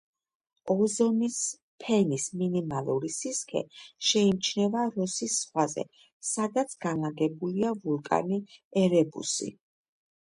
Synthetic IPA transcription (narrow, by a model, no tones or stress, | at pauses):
ɔzɔnis | pʰɛnisminimalˠuɾisiskʰɛ̰ʃɛimt͡ʃʰnɛvaɾɔsisːχwazɛ̰ | sad̪at̪sʰɡ̥anaɡɛbuliavulˠkʼa̰niɛɾɛbṵsḭ